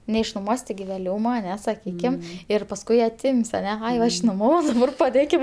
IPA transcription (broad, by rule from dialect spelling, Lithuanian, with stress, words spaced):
nʲɛɪʃnʊˈmuɔsʲ tʲɪˈɡʲɪ ʋʲeːˈlʲuːmɐ ɐˈnʲɛ sɐˈkʲiːkʲɪm ˈɪr pɐsˈkʊɪ ɐˈtʲɪmʲsʲ ɐˈnʲɛ ˈɐɪ ˈʋɐ ɪʃnoːˈmɑːʋɐʊ ɪr pɐˈdʲeːkʲɪm